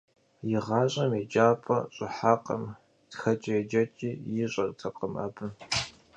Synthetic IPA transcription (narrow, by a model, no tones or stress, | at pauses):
jɪʁɑːɕʼɐmed͡ʒaːpʼɐ̰ɕʼɪħaːqʼɐ̰m | txɐt͡ʃʼɛd͡ʒɐt͡ʃʼiːjɪɕʼɐrʼtʰɐqʼəmɐ̰bɨ